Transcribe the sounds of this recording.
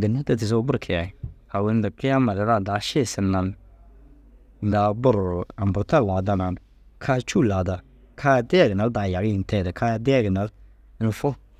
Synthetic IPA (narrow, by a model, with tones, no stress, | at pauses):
ɡɪ˨na˦ta˦tɪ˨s̬o˦bʊ˦ɾkʰɪ˨a˨a˨we˦n˦da˨kɪ˦a˦ma˨ɾɪ˨˦ɾa˦˨da˨˦ʃe˦˨sɪ˨na˨n | n̩˨da˨bʊ˦ɾa˨m˨bʊ˨ɾta˦la˨da˦na˨n | kʰa˦t͡ʃu˦˨la˨da˨ | kʰa˦dɪ˦a˦˨ɡɪ˨na˨lda˨ja˨ɡɪ˦ɪ˨n˨tɛ˦˨da˨kʰa˦ja˦dɪ˦a˦ɡɪ˨na˨˦l | ɪ˦n˨fo˦